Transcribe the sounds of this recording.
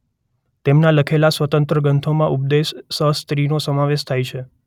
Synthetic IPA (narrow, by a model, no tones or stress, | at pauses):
t̪emnãləkʰelasʋət̪ənt̪ɾəɡənt̪ʰomãʔup̚d̪esːəst̪ɾinosəmaʋeʃt̪ʰajt͡ʃʰe